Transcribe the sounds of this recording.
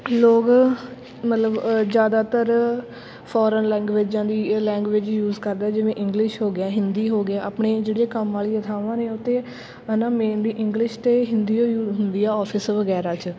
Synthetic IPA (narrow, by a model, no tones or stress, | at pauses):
loːk | mət̪ləbd͡ʒjaːd̪aːt̪əɾ | pʰɔːɾənlɛ̃ːŋɡʋeːd͡ʒãːd̪iːlɛ̃ːŋɡʋɪd͡ʒjuːzkəɾd̪ɛːd͡ʒɪʋẽːʔɪ̃ŋɡlɪʃɦoːɡɪɛ̃ːɦɪnd̪iːɦoːɡɪaːʔaːpɳeːd͡ʒeːɽeːkəmːaːliːət̪ʰaːʋãːneːʊt̪ːeː | ənãːmẽːnd̪iːʔɪ̃ŋɡlɪʃt̪eːɦɪnd̪iːoːuːɦʊnd̪iːaːɔːpʰɪsʋəɡɛːɾaːt͡ʃ